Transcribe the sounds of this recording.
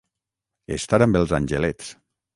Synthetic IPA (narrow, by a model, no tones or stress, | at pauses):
est̪aɾambelˠzanʲʒelet͡s